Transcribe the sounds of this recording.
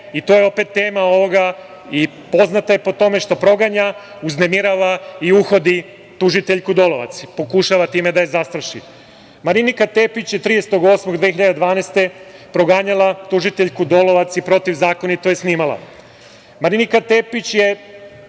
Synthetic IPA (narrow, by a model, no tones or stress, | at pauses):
it̪o̞ːjeo̞pe̞t̪ːe̞ːmao̞ʋo̞ɡa | i | po̞znat̪aje̞po̞t̪o̞me̞ʃt̪o̞pɾo̞ɡaɲa | uznemiɾaʋaiuxo̞d̪i | t̪uʒit̪eʎkud̪oloʋa̰t̪sipo̞kuʃaʋat̪iːmed̪ajezast̪ɾaʃḭ | maɾinikat̪e̞pit͡ɕjet̪ɾijese̥t̪oɡosmoɡd̪ʋexçiʎad̪ed̪ʋaːnest̪e̞pɾo̞ɡaːɲalˠat̪uʒit̪eʎkud̪o̞lˠo̞ʋat̪sipɾo̞t̪iʋzaːko̞nit̪ojesniːmalˠa̰ | maɾinikat̪epit͡ɕje̞